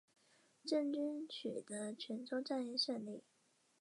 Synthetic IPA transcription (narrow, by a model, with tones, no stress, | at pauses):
ʈ͡ʂə˥˩nt͡ɕy˥nt͡ɕʰy˨˩d̪ə˦t͡ɕʰɥɛ˧˥nʈ͡ʂʰo˥ʈ͡ʂa˥˧nɛ˥˧nɕɛ˥˧nli˥˩